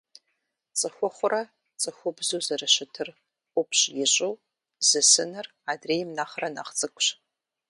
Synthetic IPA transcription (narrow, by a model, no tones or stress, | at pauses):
t͡sʼɨxʷʊχʷʊrɐ | t͡sʼɨxʷʊbzuzɐrɨɕɪtʰɨr | qʷʊpʰɕjɪɕʼɨw | z̥ɨsɨnɨr | aːdreːjmnaːχrɐna̰ːχt͡sʼɨkʷʼɕ